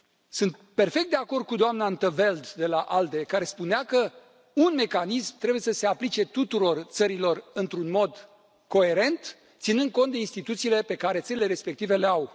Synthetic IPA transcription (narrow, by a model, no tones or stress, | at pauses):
sunt̪̚pe̞rfe̞k̪̚d̪eako̞rd̪̚kud̪oamnant̪əve̞ld̪d̪e̞laʔald̪e̞kaɾe̞spuneakə | unme̞kanismt̪ɾe̞buje̞səse̞aplit͡ʃe̞t̪ut̪uɾo̞rt̪səɾilo̞rɨnt̪ɾunmo̞d̪ | ko̞e̞ɾe̞nt̪ | t̪sinɨnd̪̚ko̞nt̪d̪e̞inst̪it̪ut̪siːle̞pe̞kaɾe̞t̪səɾile̞ɾe̞spe̞k̚t̪ive̞le̞aw